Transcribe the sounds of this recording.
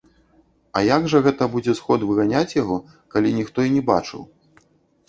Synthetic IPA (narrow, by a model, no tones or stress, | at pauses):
ɐ̰jaɡʐɐɣɛt̪ɐbud͡zʲɛsxɔd̪vɨɣanʲat͡sʲjaɣɔ | kalʲinʲixt̪ɔinʲɛba̰t͡ʂɨ̰w